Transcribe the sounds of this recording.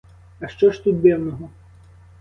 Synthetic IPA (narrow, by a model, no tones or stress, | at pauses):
ɐʃt͡ʃɔʃt̪ut̪̚d̪ɛwnɔɦɔ